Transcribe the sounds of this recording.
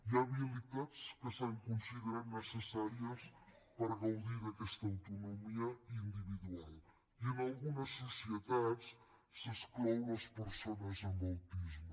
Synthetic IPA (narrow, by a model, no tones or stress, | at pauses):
iaβilit̪aðskəsaŋkõsiðɾanəsəsaɾiɐs | pɐɾɐɣɐwðiɾɐkɛʃt̪ɐawt̪unumiɐind̪iβiðualˠ | iẽnalˠɣunɐsːusjeðaðʃ | sɐsklowɐʃpəɾsonɐzɐ̃nbawt̪iʒmu